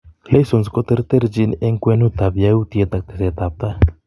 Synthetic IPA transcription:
le˦jso˨nsko˦t̪e˦ɾt̪e˦ɾd͡ʒi˧ne˦ŋkwe˦nu˦t̪a˨βjaut̪jet̪a˨k̚t̪eset̪ap̚t̪a˦

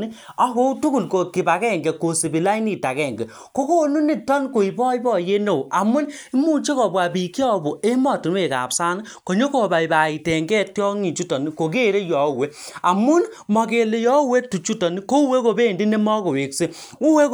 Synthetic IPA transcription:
ni˦a˦ko˦u˦tu˦ku˦˨lko˨ki˨ba˨kɛ˦˨ŋɡɛ˨ko˨si˨bi˨la˦i˦ni˦˨ta˨kɛ˦˨ŋɡɛ˨ | ko˦ko˦nu˦ni˦˨tɔ˦nko˨i˨bɔ˦i˦bɔ˦˨je˦no˦˨a˨mu˦ni˦mu˦˨t͡ʃe˦kɔ˨ba˨bi˨ki˦ɔ˦˨bo˨e˦mɔ˦˨ti˨n˦e˨ka̰˨psa˦ni˦ko˨ɲo˦ko˨ba˨i˨ba˨i˨tɛ˨ŋɡɛ˦tjɔ˦ŋi˨t͡ʃu˦tɔ˨ni˦ko˨k̬e˦˨ɾe˦jɔ˨˦˨we˦a˨mu˦nmɔ˨ke˨le˨jɔ˦we˦tu˨t͡ʃu˦tɔ˨ni˦ko˦u˦we˦ko˨be˦˨ndi˦ne˦mɔ˦ko˨we˨kse˦ | u˦we˦

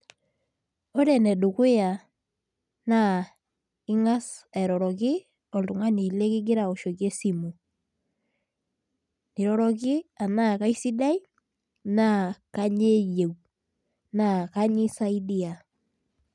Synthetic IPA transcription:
o˦ɾɛ˨nɛ˨du˨ke˦ja˨ | na˦˨ | ɪ˦ŋa˦sa˨ɾɔ˨ɾɔ˨kɪ˦ | ɔ˨ldu˨ŋa˦ni˨le˦kɪ˦ɡ̬ɪ˦ɾa˨o˨ʃo˨ke˦si˦mu˨ | ni˨ɾɔ˨ɾɔ˨k̬ɪ˦a˨na˦˨ka˦i˦si˦da˦i˦ | na˦˨ka˦ɲe˦je˨w | na˨ka˦ɲi˦sa˦i˦di˦a˨

